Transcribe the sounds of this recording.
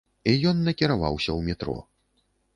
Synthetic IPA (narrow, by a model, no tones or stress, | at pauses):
ijɔnːɐkʲiɾava̰wsʲɐwmʲɛt̪ɾɔ̰